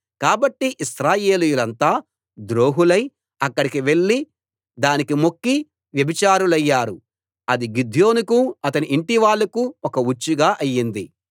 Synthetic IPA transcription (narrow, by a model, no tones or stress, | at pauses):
kaːbɐʈːiʔisɾaːjeːlujulɐnt̪aː | d̪ɾo̞ːɦulɐj | ɐkːɐɽikiʋe̞ɭːi | d̪aːnikimo̞kːi | ʋjɐbit͡ʃaːɾulɐjːaːɾu | ɐd̪iɡid̪ʱjo̞ːnukuɐt̪ɐniʔːɳʈiʋaːɭːɐkuɔkɐut͡ʃːuɡaːʔɐjːind̪i